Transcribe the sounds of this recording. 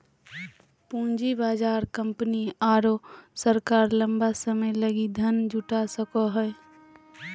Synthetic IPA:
pũːnd͡ʒibaːd͡ʒaːɾkə̃mpəniaːɾosəɾkaːɾlə̃mbasəməjləɡid̪ʱənd͡ʒʱʊʈasəkoɦɛː

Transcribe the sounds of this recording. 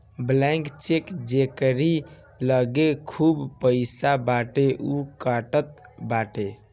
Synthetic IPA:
blɛ̃ŋkt͡ʃekd͡ʒekəɾi | ləɡekʰubpəɪsabaʈeʔukaʈət̪̚baʈe

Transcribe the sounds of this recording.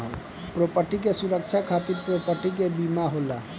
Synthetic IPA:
ɦl | pɾopəʈikesuɾəkt͡ʃʰakʰat̪iɾpɾopəʈikebimaɦola

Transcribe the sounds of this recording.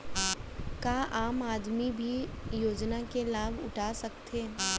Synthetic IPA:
kaːʔaːmaːd̪mibʱijoːd͡ʒnakelaːbʱʊ̰ʈʰaːsɐkt̪ʰeː

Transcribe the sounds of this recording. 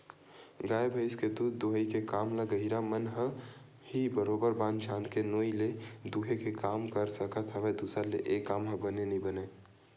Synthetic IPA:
ɡaːebʱəɪsked̪ud̪d̪oɦəikekamləɡəɦiɾamənɦə̃ | hibəɾobəɾbãnt͡ʃʰãnd̪kenoiled̪uɦekekamkəɾsəkət̪ʰəʋed̪usəɾleʔekːamɦə̃bənenibəne

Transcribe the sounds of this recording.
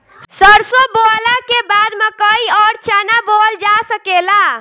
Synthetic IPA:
səɾsõbolakebad̪mẽkəiɔːɾt͡ʃanabold͡ʒasəkela

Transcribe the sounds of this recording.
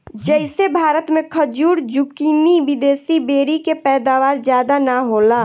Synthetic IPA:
d͡ʒəɪsebʱaːɾət̪mẽkʰəd͡ʒuːɾd͡ʒukiːniʋɪd̪eːsibeːɾikepɛːd̪aːʋaːɾd͡ʒjaːd̪anaɦola

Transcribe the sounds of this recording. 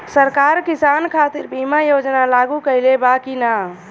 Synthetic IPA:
səɾkaɾkisankʰat̪iɾbʱimajod͡ʒnalaɡukəɪlebakina

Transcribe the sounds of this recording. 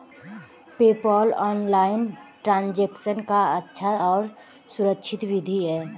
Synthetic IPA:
peːpɔːlɔːnlaːɪnʈɾãːnd͡ʒeːksənkaətːʃʰaɔːɾ | sʊɾəkʃʰɪt̪wɪd̪ʱiɦɛː

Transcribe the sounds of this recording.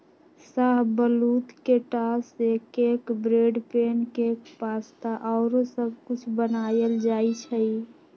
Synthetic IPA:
saɦbəlut̪keʈasekekbɾeɖpenkekpast̪aʔɔʊɾosəbʱkʊt͡ʃʰbənajəld͡ʒait͡ʃʰəi

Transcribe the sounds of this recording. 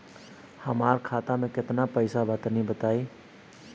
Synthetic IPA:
həmaɾkʰat̪amẽket̪napəɪsabət̪nibət̪ai

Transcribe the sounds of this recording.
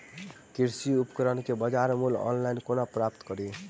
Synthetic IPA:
kiɾsiupkəɾənkebəd͡ʒaɾmulɔ̰nlajnkonapɾapt̪kʌɾi

